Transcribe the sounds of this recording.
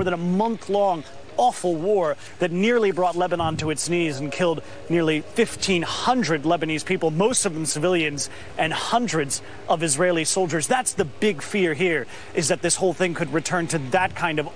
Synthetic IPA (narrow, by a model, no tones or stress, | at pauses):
ɔɹðə̃nəmʌ̃nθlɔ̃ŋ | ɔfl̩ˠwɔɹ | ðɨtⁿnɪɹlˠibɹɔtˡlɛbənɑ̃ntɨɨtsnizn̩kʰɪlˠd̚ | nɪɹlˠifɪftʰĩnhʌ̃ndɹɨdˡlɛbɨniz̥pʰipl̩ˠmoʊstʌvðə̃m̩sɨvɪlˠjɨ̃nz | ʔɨ̃nhʌ̃ndɹɨdz | ʔʌvɨzɹeɪlˠisoʊlˠd͡ʒə˞zðætsðɨbɪɡfɪɹɦiɹ | ʔɨzðɨt̪̚ðɪshoʊlˠθɪ̃ŋkʰɨd̚ɹɨtʰɜ̃˞ntɨðɨt̚kʰãɪ̃ndʌv